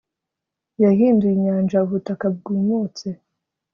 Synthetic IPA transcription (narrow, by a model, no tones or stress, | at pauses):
jaɦiːnduiɲaːnd͡ʒauβutakab̚ɡiːmut͡se